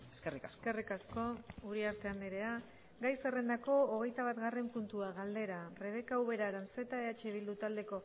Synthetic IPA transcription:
eskerikaskerikasko̞uɾiaɾt̪e̞and̪eɾe̞a | ɡajsere̞nd̪ako̞oɣ̞e̞jt̪aβat̪ɡare̞mpunt̪uaɣald̪e̞ɾare̞β̞e̞kauβe̞ɾaɾanse̞t̪aeat͡ʃeβild̪ut̪ald̪e̞ko̞

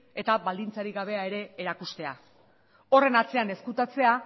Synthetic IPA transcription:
e̞t̪aβald̪int͡saɾiɣaβ̞e̞ae̞ɾe̞ːɾakust̪e̞a | o̞re̞nat͡se̞ane̞skut̪at͡se̞a

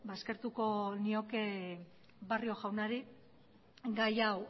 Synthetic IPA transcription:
baske̞ɾt̪uko̞nio̞ke̞ | bario̞ʝawnaɾi | ɡajaw

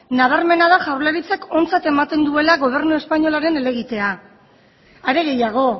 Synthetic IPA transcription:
naβ̞aɾme̞naðaʝawɾlaɾit͡sako̞nt͡sat̪e̞mat̪e̞nd̪ue̞laɣo̞β̞e̞ɾnue̞spaɲo̞laɾe̞ne̞le̞ɣit̪e̞a | aɾe̞ɣe̞jaɣ̞o̞

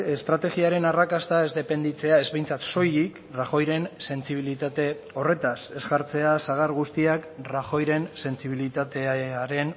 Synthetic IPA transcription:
est̪ɾat̪e̞ɣiaɾe̞narakast̪aezd̪e̞pe̞nd̪it͡se̞ae̞zβe̞jnt͡sat̪so̞jik | raxo̞jɾe̞nse̞nt͡siβ̞ilit̪at̪e̞ | o̞re̞t̪ase̞zɣaɾt͡se̞asaɣ̞aɾɣust̪iakraxo̞jɾe̞nse̞nt͡siβ̞ilit̪at̪e̞aɾe̞n

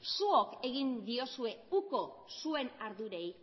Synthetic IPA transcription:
suoke̞ɣ̞ind̪io̞sue̞uko̞sue̞naɾðuɾe̞j

